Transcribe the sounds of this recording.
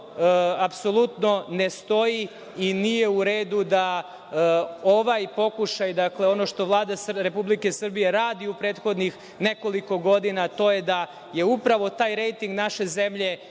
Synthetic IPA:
apso̞lˠut̪no̞nest̪o̞ji | inije̞uɾeːd̪ud̪a | o̞ʋajpo̞kuʃajd̪akleo̞noʃt̪o̞ʋlˠaːd̪asɾe̞publike̞sr̩bije̞ɾaːd̪iupɾeːt̪xo̞d̪nix | ne̞ko̞liko̞ɡo̞d̪inat̪o̞je̞d̪a | je̞upɾaʋo̞t̪aːjɾe̞jt̪iŋɡnaʃe̞ze̞mʎe̞

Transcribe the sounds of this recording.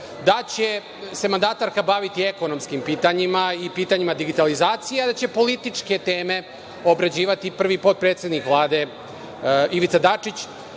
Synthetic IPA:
d̪at͡ɕe̞ | se̞mand̪at̪aɾkabaʋit̪ieko̞no̞mskimpiːt̪aɲimaipiːt̪aɲimad̪iɡit̪alizaːt̪sijead̪at͡ɕe̞po̞lit̪it͡ʂke̞t̪eːme̞ | obɾad͡ʑiːʋat̪ipr̩ʋipo̞t̪̚pɾet̪se̞d̪nikʋlˠaːd̪e̞ | iʋit̪sad̪at͡ʂit͡ɕ

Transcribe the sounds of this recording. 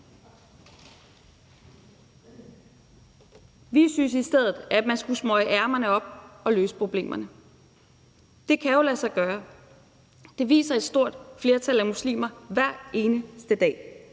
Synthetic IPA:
ʋisynsisd̥eð̞̰ˠð̩ˠæ̥mænsɡ̥usmɒ̽ɪəʔæɐmɐnəɒ̽b̥̚ɒ̽lø̰ːsə̥pʰʁo̝b̥le̝̰ːmʔɐnə | d̥e̝kʰæjo̝læsɑ̈ɪɡ̥ɶːɐ | d̥e̝ʋḭːsɐe̝d̥sd̥o̝ɐ̰d̥fle̝ːɐt͡sʰæl̰æmuslḭːmɐʋæɐ̰e̝ːnəsd̥əd̥ɛ̰ː

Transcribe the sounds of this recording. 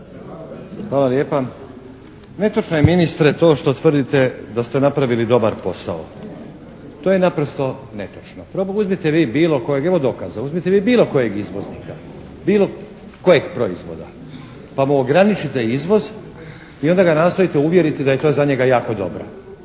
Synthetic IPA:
xʋaːlaljeːpa | ne̞t̪ot͡ʃnojeminist̪ɾet̪o̞ːʃt̪o̞t̪ʋr̩d̪it̪e̞d̪ast̪e̞napɾaʋilid̪o̞baɾpo̞sa̰o̰ | t̪oːjenapɾost̪o̞ne̞t̪ot͡ʃnopɾouzmit̪eʋiːbiːlo̞kojeɡeʋo̞d̪o̞kazauzmit̪eʋiːbiːlˠo̞koje̞ɡizʋo̞zniːka | biːlˠo̞ | ko̞je̞ɡpɾo̞izʋo̞̰d̪a | pamuoɡɾanit͡ʃit̪e̞izʋo̞z | io̞nd̪aɡanaːst̪o̞it̪euʋje̞ɾit̪id̪aje̞t̪o̞ːzaɲe̞ɡajaːko̞d̪o̞̰bɾa̰

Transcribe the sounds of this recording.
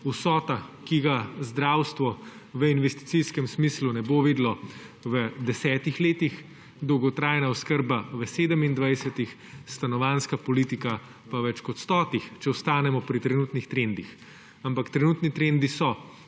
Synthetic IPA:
usɔːt̪akiɡazd̪ɾawst̪ʋɔ | ʋəinʋɛst̪i̥tsiskɛmsmiːslunɛboʋeːd̪lɔʋəd̪ɛsɛːt̪ixleːt̪ix | d̪ɔwɡɔt̪ɾaːjnaɔskəɾbaʋəseːd̪əmind̪ʋajsət̪ix | st̪anɔʋaːnskapɔliːt̪ika | paʋɛt͡ʃkɔt̪st̪ɔːt̪ixt͡ʃɛɔst̪aːnɛmɔpɾit̪ɾɛnuːt̪nixt̪ɾend̪ix | ampakt̪ɾɛnuːt̪nit̪ɾend̪isɔ

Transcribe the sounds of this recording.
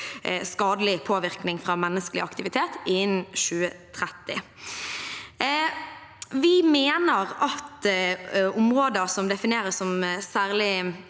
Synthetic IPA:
skɑːd̪əlɪpʰoːʋɪʁknɪŋfʁɑːmɛnːəskəlɪ̰ɑkt̪ɪʋɪt̪ʰeːt̪ɪnʃʉːət̪ʰʁɛt̪ːɪ̰ | ʋɪmeːnəʁɑt̪ | ʊmʁoːd̪əsɔmd̪ɛfɪneːʁəsːɔmsæːʁlɪ

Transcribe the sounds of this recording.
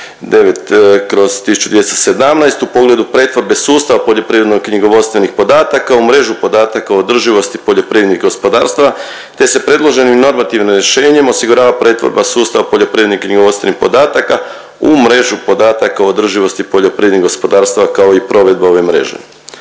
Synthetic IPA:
d̪e̞ʋe̞t̪kɾo̞z̥t̪isu̥t͡ʃud̪ʋjest̪se̞d̪amnajst̪upo̞ɡle̞d̪upɾe̞ːt̪ʋo̞ɾbe̞suːst̪aʋapo̞ʎo̞pɾiːʋɾed̪noɡkɲiɡo̞ʋo̞d̪st̪ʋe̞nixpo̞d̪aːt̪akaumɾe̞ʒupo̞d̪aːt̪akaood̪r̩ʒiʋo̞st̪ipo̞ʎo̞pɾiːɾed̪niɣɡo̞spo̞d̪a̰ːɾst̪aʋa | t̪e̞se̞pɾe̞d̪lˠo̞ʒe̞nimno̞ɾmat̪iʋnimɾje̞ʃe̞ːɲe̞mo̞siɡuɾaːʋapɾe̞ːt̪ʋo̰ɾbasuːst̪aʋapo̞ʎo̞pɾiʋɾed̪niɡkɲiɡo̞ʋo̞t̪st̪enixpo̞d̪aːt̪aka | umɾe̞ʒupo̞d̪aːt̪akauod̪r̩ʒiʋo̞st̪ipo̞ʎo̞pɾiːeniɣɡospo̞d̪aːɾst̪aʋakao̞ipɾo̞ʋe̞d̪̚bao̞ʋemɾe̞̰ʒḛ

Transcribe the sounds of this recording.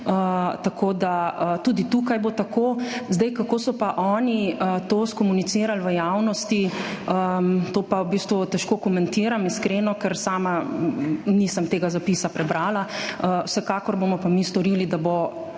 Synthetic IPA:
ət̪akʰoːd̪aət̪uːd̪it̪ukajbot̪akoːzd̪ɛjkakoːsɔpaʔɔːniət̪oːskɔmunit̪siːɾalʋəjawnɔst̪iət̪oːpabist̪ʋut̪ɛʃkoːkɔmɛnt̪iɾamiskɾeːnɔkɛɾsaːma | niːsəmt̪eːɡazapiːsapɾɛbɾaːlaəwsɛkaːkɔɾboːmɔpamist̪ɔɾiːlid̪abo

